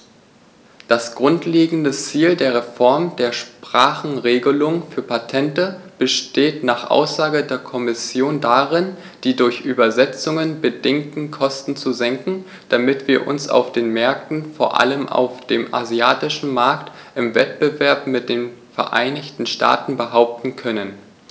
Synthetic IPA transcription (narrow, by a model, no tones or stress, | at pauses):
d̥asɡ̥ʁʊntleːɡŋ̩dət͡siːldeːɐʁ̞efɔɐmd̥eːɐʃpʁ̥aːχn̩ʁeːɡəlʊŋfyːɐpʰatʰɛntəb̥əʃteːtnaːχʔa̰ʊsz̥aːɡədeːɐkʰɔmɪsjoːndaʁɪn | d̥iːdʊɐçʔyːbɐzɛt͡sʊŋənbədɪŋtn̩kʰɔstn̩t͡suzɛŋkŋ̩ | d̥amɪtv̥iːɐʔʊ̰nsa̰ʊfd̥eːnmɛɐk̚tn̩foːɐʔa̰ləmʔa̰ʊfd̥eːmʔa̰ziaːtɪʃn̩maɐktʔɪmvɛt̚b̥əvɛɐpmɪt̚d̥eːnfɛɐʔa̰ɪnɪçtn̩ʃtʰa̰ːtn̩bəɦaʊp̚tn̩kʰœnən